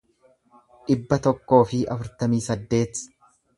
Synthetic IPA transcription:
ᶑɪbːɐt̪ɔkːo̞ːfɪʔɐfʊɾt̪ɐmiːsɐd̪ːe̞ːt̪

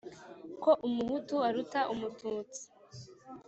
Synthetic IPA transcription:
ko̞ʔumuhutuaɾutaʔumutuːt͡si̥

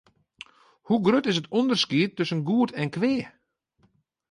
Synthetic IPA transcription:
huɡrøtɪs̬ətʰɔndərskiətːɵsənɡuətʰɛnkʋɪː

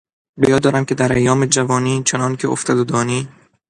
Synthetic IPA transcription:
bejɒːd̪ɒːɾæmcʰed̪æɾʔæjːɒːmed͡ʒævɒːniːt͡ʃʰenɒːncʰeo̰ft̪ʰɒːd̪od̪ɒːniː

